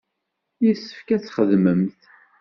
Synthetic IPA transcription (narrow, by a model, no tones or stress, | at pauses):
jisːə̥fkæt͡sːχəðməmθ